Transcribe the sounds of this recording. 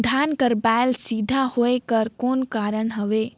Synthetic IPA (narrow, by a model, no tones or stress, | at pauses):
d̪ʱaːnkəɾbaːɪlsid̪ʱahoekəɾkoːnkaːɾəɽ̃ɦəʋeː